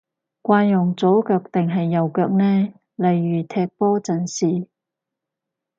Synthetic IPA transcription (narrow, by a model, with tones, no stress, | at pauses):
kʷaː˧jʊ˨˩ŋt͡so˨˥kœː˧k̚t̪ɪ˨ŋɦɐ˨jːɐ˨wkœː˧k̚nɛː˥ | lɐ˨jːyː˨˩t̪ʰɛː˧k̚pɔː˥t͡sɐ˨˩nsiː˨